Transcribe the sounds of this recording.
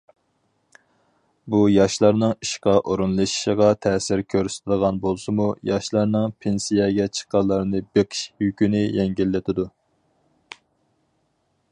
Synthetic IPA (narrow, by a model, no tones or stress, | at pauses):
bujɑʃlˠɑɾnɨŋiʃqɑʔoɾunlˠɨʃi̥ʃəʁɑt̪ʰɛːsɪɾkʲʰøɾsɪ̥t̪ʰɪlˠəʁɑnbolˠsɨmujɑʃlˠɑɾnɨŋpʰensijɛɡʲɛt͡ʃʰə̥qːɑlˠːɑɾnɨbeqʰə̥ʃjykʲynɪjɛŋɡʲilːɪt̪ʰɪd̪u